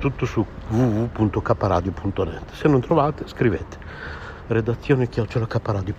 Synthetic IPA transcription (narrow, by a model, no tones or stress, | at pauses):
t̪ut̪ːosuvuvupunt̪okapːaɾa̰ːd̪jopunt̪onɛ̰t̪ːsenːont̪ɾovaːt̪eskɾivḛːt̪e̥ | red̪at̪sːjoːnekːjɔt͡ʃːelakapːaɾaːd̪jo